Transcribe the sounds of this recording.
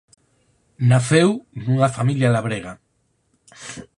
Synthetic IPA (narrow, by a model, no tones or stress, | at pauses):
naθewnuŋafamiljalaβ̞ɾeɣa